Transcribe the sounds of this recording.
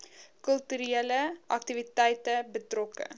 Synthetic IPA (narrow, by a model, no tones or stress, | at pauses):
kɵltyɾeləʔɐk̚tivitɛjtəbətrɔkə̰